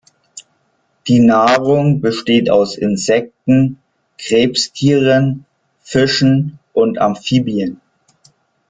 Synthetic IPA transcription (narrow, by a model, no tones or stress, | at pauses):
d̥iːnaːʁʊŋbəʃteːta̰ʊsɪ̰nzɛk̚tn̩ | ɡ̥ʁ̥eːpstʰiːʁən | fɪʃn̩ʔʊnta̰mfiːbiən